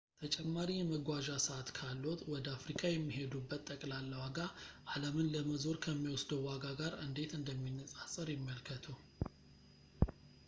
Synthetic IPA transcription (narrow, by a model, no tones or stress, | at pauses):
t̪ʰət͡ʃʼɛmːaɾijɛməɡʷaʒasəat̪kʰalːo̞t̪ʼwɔd̪əafɾikʼajɛmːiɦe̞d̪ubːət̪ʼːəkʼlalːəwaɡaʔaləmɨnləməzo̞ɾkʰəmːiwɔsd̪əwwaɡaɡaɾɨ̰nd̪e̞t̪ɨnd̪əmːinːəsʼasʼəɾjɪmːəlkʰət̪ʰuw